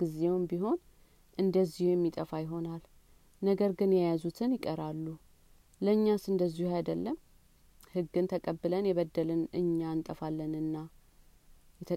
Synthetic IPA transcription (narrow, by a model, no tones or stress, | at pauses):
ɡ̥ɨzewmbiɦo̞n | ʔɨnd̪əzːihujɛmːit̪ʼəfajɪɦo̞nalː | əɡəɾɡɨnjɛjazut̪ʰɨnjɪkʼəɾalːu | ləɨɲːasɨnd̪əzːihuajd̪əlːəm | hɨɡːɨnt̪ʰəkʼəbːɨlənjɛβəd̪ːəlɨnʔɨ̰ɲːaɨnt̪ʼəfalːənɨnːa | jɛt̪ʰə